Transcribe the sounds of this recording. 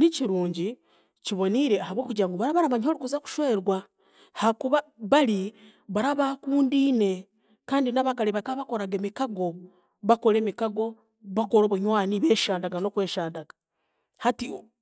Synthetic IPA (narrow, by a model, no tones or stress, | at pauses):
niciɾuːɲɟi | ciβo̞niɾe̞ahaβwo̞ːkuɟaːŋɡoβaɾaβaɾaβaɲhoɾukuzaku̥ʃweːɾwa | hakuβaβali | βaɾaβakuːndiːne̞ | kaːndinaβakaleβakaβako̞ɾaɡemikaɡo̞ | βako̞ɾe̞ːmikaɡo̞ | βako̞ɾo̞ːβuɲwaːniβeːʃaːndaɡano̞kwe̞ːʃaːndaɡ̥ḁ | hati